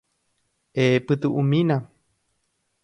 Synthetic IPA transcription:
epɨt̪ɨʔumĩna

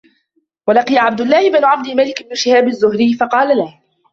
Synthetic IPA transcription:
walɑqijaʕabd̪ʊlːɑːhɪbɪnʕabd̪ɪmalɪkɪbnʃɪhaːbazːʊhɾɪjːfɑqɑːlalah

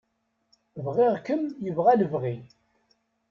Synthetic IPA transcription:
vʁɪʁkəmjəvʁæləvʁi

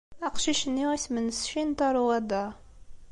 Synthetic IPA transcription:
æqʃiʃənːiæsmənsʃint̪ɑɾˤuæd̪a

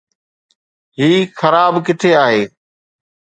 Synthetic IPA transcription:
ɦiːxəɾaːbkɪʈ̪ʰeaːɦeː

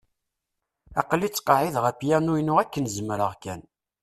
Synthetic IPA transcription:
ɑ̰qlːit͡sːqɑʕiðʁæpjænujnʊʁækːənzəmɾəʁkæn

